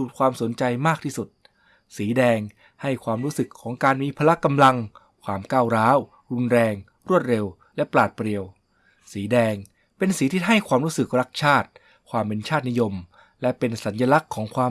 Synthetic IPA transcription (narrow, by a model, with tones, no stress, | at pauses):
uː˨˩kʰwaː˧mso˩˦nt͡ɕa˧jmaː˥˩k̚t̪ʰiː˥˩su˨˩t̪̚ | siː˩˦dɛː˧ŋ | ha˥˩jkʰwaː˧mɾuː˦˥sɯ˨˩kʰːɔː˩˦ŋkaː˧nmiː˧pʰaː˧la˦˥ka˧mla˧ŋ | kʰwaː˧mkaː˥˩wɾaː˦˥w | ɾu˧nɾɛː˧ŋ | ɾu˥˩ət̪̚ɾe˧w | lɛ˦˥plaː˨˩t̪̚pɾi˧əw | siː˩˦dɛː˧ŋ | pe˧nsiː˨˦t̪ʰi˦˥t̚ɦa˥˩jkʰwaː˧mɾu˦˥sɯ˨˩k̚ɾa˦˥k̚t͡ɕʰaː˥˩t̪̚ | kʰwaː˧mpe˧nt͡ɕʰaː˥˩t̪̚ni˦˥jo˧m | lɛ˦˥pe˧nsa˩˦nja˧la˦˥kʰːɔː˩˦ŋkʰwaː˧